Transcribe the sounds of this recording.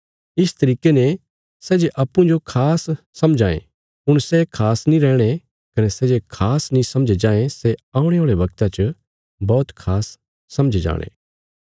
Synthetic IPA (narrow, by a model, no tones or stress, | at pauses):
ɪst̪ɐɾiːkene | sɛːd͡ʒeʔɐpːũd͡ʒokʰaːsː | ɐmd͡ʒʱãːḛ̃ | ʊɽ̃sɛkʰaːsnĩɾɛːɽ̃e | kɐnɛsɛːd͡ʒekʰaːsnĩsɐmd͡ʒed͡ʒãːẽsɛãːũɽ̃eɦoːɭeʋɐɡt̪at͡ʃə | bɔːt̪kʰaːsː | ɐmd͡ʒʱed͡ʒa̰ːɽ̃ḛː